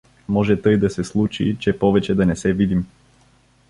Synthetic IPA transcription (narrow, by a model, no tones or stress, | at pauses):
mɔʒɛt̪ɤjd̪asɛslˠut͡ʃḭt͡ʃɛpɔvɛt͡ʃɛd̪anɛsɛvid̪im